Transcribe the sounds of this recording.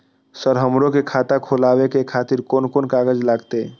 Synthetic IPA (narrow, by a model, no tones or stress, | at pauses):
səɾɦəmɾõkekʰaːt̪akʰoːlaːwekekʰaːt̪iɾkoːnkoːnkaːɡəd͡ʒlaːɡt̪e